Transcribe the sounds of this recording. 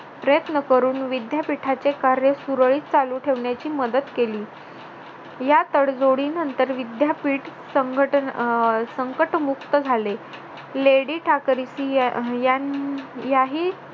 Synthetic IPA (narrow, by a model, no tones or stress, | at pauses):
pɾəjət̪nəkəɾuːnʋid̪japiʈʰat͡sekaɾjəsuɾəɭiːt͡saluːʈʰeʋɳjat͡ɕiːməd̪ət̪keliː | jat̪əɽd͡zoɽiːnənt̪əɾʋid̪japiːʈ | səŋɡəʈ | səŋkəʈmukt̪əd͡zʱale | leɽiːʈʰakɾisija | jaɦiː